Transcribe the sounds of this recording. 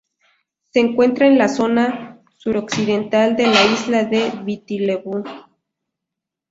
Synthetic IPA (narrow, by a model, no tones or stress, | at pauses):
seːŋkwe̞nt̪ɾaenlaso̞na | suɾoksiðe̞nt̪ald̪e̞laizlaðeβit̪ileβu